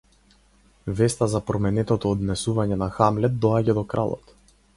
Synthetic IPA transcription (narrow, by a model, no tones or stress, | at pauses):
vɛst̪azapɾɔmɛnɛt̪ɔt̪ɔːd̪nɛsuvaɲɛnaxamlɛd̪̚d̪ːɔaɟad̪ɔkɾa̰lˠɔ̰t̪